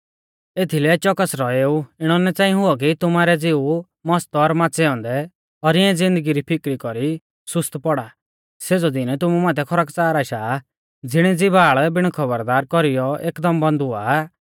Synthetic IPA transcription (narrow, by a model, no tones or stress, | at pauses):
eːt̪ʰilɛt͡ʃɔkəsɾɔeːuɪɽ̃ɔnɛt͡sãːɦʊɔk̬it̪ʊmaːɾɛd͡zeu | mɔst̪ɔːɾmaːt͡sɛɔ̃ːnd̪ɛ | ɔɾɪɛ̃d͡zɪ̃nd̪əɡiɾipʰɪkɾikɔɾi | sʊst̪pɔɽa | seːd͡zɔd̪ɪnt̪ʊmumaːt̪ʰɛkʰɔɾəkt͡saːɾaːʃaː | d͡zɪɽ̃ɛd͡zɪbaːɭbɪɽ̃kʰɔbəɾd̪aːɾkɔɾijɔeːkd̪ɔmbɔ̃nd̪ʊaː